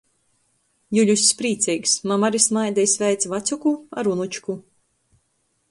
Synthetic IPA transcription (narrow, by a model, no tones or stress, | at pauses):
juʎʲusʲːpɾiːt̪sijksmamaɾisnajd̪ɛjsvʲɛjt̪sʲvat̪sʲukua̰ɾunut͡ʃku